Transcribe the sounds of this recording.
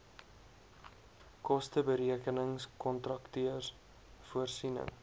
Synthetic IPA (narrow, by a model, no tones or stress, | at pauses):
kɔstəbəɾiəkənəŋskɔntrɐktyərs | fuərsinə̰ŋ